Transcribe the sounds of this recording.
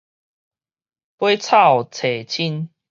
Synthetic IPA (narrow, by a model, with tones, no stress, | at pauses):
pwe˦t͡sʰa˥˨wt͡sʰe˨t͡ɕʰi˦n